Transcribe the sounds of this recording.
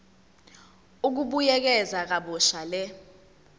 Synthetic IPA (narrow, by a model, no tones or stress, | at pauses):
uk̬uɓujɛk̬ɛzak̬aɓɔʃalɛ